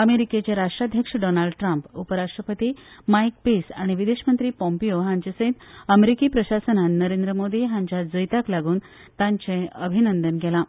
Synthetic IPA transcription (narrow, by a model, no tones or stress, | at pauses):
əmeɾiket͡ɕaɾaʂʈɾad̪ʱjəkʂəɖɔnalɖʈɾampupəɾaʂʈɾəpət̪iːmajk̚pisaɽ̃iʋid̪eɕmənt̪ɾiːpɔ̃mpijoɦãɲt͡ɕasə̃ɦit̪əmeɾikiːpɾəɕasənannəɾend̪ɾəmod̪iːɦãɲt͡ɕjad͡zəjt̪aklaɡuːn | t̪ãɲt͡ɕẽəbʱinənd̪ənɡɛlã